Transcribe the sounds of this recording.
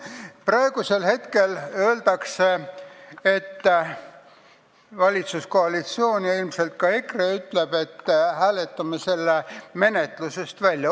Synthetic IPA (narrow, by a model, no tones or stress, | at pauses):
prɑeɡ̥use̞lhe̞t̪ke̞lø̞ːld̪ɑkse | et̪ː | vɑlʲit̪susko̞ɑlit̪sio̞ːnʲjilmse̞lt̪̚kɑekreyt̪le̞b̥e̞t̪ːhæːle̞t̪ːˑɑmese̞lːeme̞ne̞t̪luse̞st̪vælʲjɑ